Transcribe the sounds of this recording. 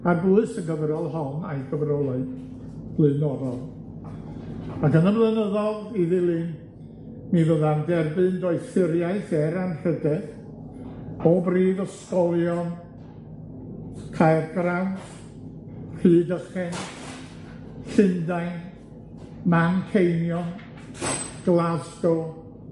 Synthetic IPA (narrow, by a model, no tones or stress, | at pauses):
aɡuɨsənɡəvəɾɔlˠɦɔna̰jɡəvrɔlˠɛɨd̥ | b̥lˠɨnɔðɔlˠ | akʰənəblɨnəðɔlˠiðɨlˠin | mivəðandɛrbɨndɔɨθɪɾjaɨθɛɾanrədɛd̥ | bobriːðəskɔlˠjɔn | kʰajrɡrawns | r̥ɨːdəχɛn | ɬɪndajn | mankʰejnjɔn | ɡ̥lˠazɡɔ